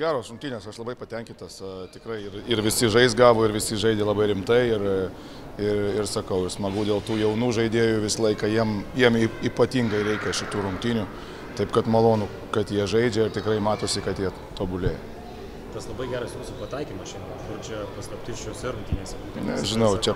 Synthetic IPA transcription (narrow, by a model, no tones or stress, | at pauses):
ɡʲæːɾoːsɾʊŋkt̪ʲiːnʲeːsɐʃlˠɐbɐɪpɐt̪ʲɛŋʲkʲɪnt̪ɐstʲɪkɾɐɪɪrɪɾʋʲɪsʲɪʒɐɪsɡɑːʋoːɪɾʋʲɪsʲɪʒɐɪd̪ʲɛlˠɑbɐɪɾʲɪmt̪ɐɪɪr | ɪrɪrsɐkɐʊɪɾsmɐɡuːd̪ʲeːlˠt̪uːjɛʊnuːʒɐɪd̪ʲeːjʊʋʲɪsɐlˠɐɪkɑjiɛmjiɛmɪiːpɐt̪ʲiːŋɡɐɪɾʲɛɪkʲɛʃʲɪt̪uːɾʊŋk̚t̪ʲiːnʲu | t̪ɐɪpkɐt̪mɐlˠoːnʊ | kɐt̪jiɛʒɐɪd͡ʒʲɛɪɾt̪ʲɪkɾɐɪmɑːt̪oːsʲɪkɐt̪jiɛ | t̪oːbʊlʲeːjɛ | t̪ɐslˠɐbɐɪɡʲæːɾɐsjuːsʊpɐt̪ɐɪkʲiːmɐsʃʲɪnokʊrt͡ʃʲɛpɑskɐpʲt̪ʲiːʃʲt͡ʃʲoːsʲɪɾʊŋkt̪ʲiːnʲeːsʲɛ | nʲɛʒʲɪnɐʊt͡ʃʲɛ